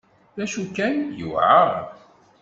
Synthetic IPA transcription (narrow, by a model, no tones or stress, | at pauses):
læʃukːænjṵʕa̰